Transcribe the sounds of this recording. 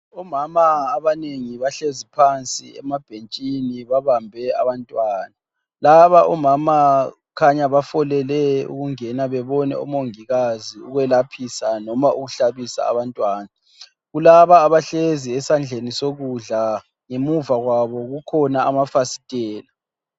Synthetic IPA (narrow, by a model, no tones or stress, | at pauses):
ɔmamaːβaneŋiβaɬezipʰant͡sʼḭɛ̰mab̥ʱent͡ʃʼiniβaβambʱɛa̰βantʼwaːna | laβaʔɔmama | kʰaɲaβafɔlɛlɛṵɣuŋɛnaβɛβɔnɛ̰ṵmoŋiɣaziuɣwɛlapʰisanɔmauɣuɬaβisa̰ːβantʼwaːna | ɣulaβaːβaɬeziɛsand͡ɮʱenisoɣuɮa | ŋemuvaɣwaβɔɣukʰɔnaamafasi̥tʼɛːla